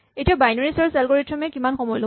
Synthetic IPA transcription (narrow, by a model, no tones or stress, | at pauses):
etiabajnɔɹisɔɹsɛlɡoɹitʰɹɔmɛkimanxɔmɔjlɔ